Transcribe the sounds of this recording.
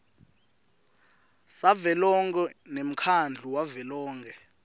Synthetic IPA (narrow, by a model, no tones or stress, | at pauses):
savɛlɔŋɡɛnem̩kʰand͡ɮʱuwavɛlɔːŋɡɛ